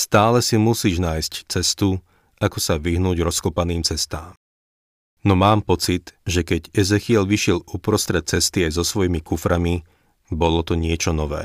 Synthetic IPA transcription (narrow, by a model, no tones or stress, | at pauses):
st̪aːlɛsimusiːʒnaːjsct͡sɛst̪u | akɔsaʋiɦnuːɟɾɔskɔpaniːmt͡sɛst̪aːm | nɔmaːmpɔt͡sid̪ʒɛkɛɟɛzɛxiɛlʋiʃɪɛlupɾɔst̪ɾɛt̪̚t͡sɛst̪iajzɔsʋɔjimikufɾami | bɔlɔt̪ɔɲɪɛt͡ʃɔnɔʋɛ̰ː